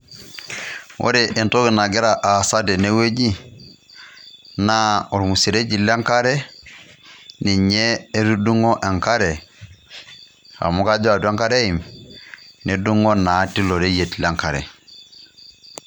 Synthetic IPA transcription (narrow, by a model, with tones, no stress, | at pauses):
wʔo̰˦ɾe˨ʔe˨nto˦ɡi˨na˨ɡi˦ɾa˨ʔa˨sa˦de˨ne˦we˦d͡ʒi˦ | na˦o˨ɾmu˨si˨ɾe˦d͡ʒi˨la˦ŋka˦ɾe˦ | ni˨ɲe˦e˦du˦du˦ŋo˦ʔe˨ŋka˦ɾe˨ | a̰˨mu˦ka˦d͡ʒo˦a˨da˦ŋka˦ɾe˦i˨m | ne˨du˦ŋo˦na˨˦ti˦lo˨ɾe˦je˨tla˦ŋka˨ɾḛ˨